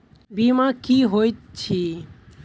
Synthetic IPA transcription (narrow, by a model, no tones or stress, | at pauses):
bimãkiɦojt͡ɕʰi